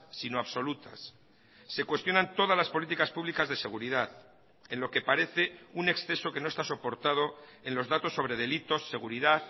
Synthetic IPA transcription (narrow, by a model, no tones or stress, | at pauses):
sinoaβso̞lut̪a̰sː | e̞kwe̞st̪jo̞nãnt̪o̞ð̞azlaspo̞lit̪ikaspuβlikazðe̞se̞ɣuɾiðaθ | e̞nlo̞ke̞paɾe̞θe̞une̞ksθe̞so̞ke̞no̞est̪aso̞po̞ɾt̪að̞o̞e̞nlo̞zðat̪o̞sːo̞βɾe̞ðe̞lit̪o̞sːe̞ɣuɾiðaθ